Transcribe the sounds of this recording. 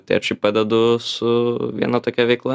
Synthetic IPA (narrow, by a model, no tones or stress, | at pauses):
t̪ɐɪɐʃt͡ʃʲɐɪp̚pɑd̪ʲɛd̪ʊsʊʋʲḭɛnɐt̪oːkʲɛʋʲɛɪklˠɐ